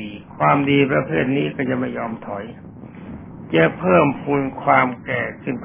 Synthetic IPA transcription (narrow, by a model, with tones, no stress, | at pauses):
kʰwaː˧mdiː˧pɾa˧pʰeː˥˩t̪̚niː˦˥kɔ˥˩ja˧ma˥˩jɔː˧mt̪ʰɔ˩˦j | t͡ɕa˧˥pʰːɤː˥˩mpʰuː˧nkʰwaː˧mkɛː˨˩sɯ˧˩ŋp